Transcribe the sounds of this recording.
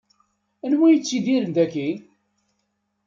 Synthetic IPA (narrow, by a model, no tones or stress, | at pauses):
ænwæjət͡sːiðiɾənd̪ækːi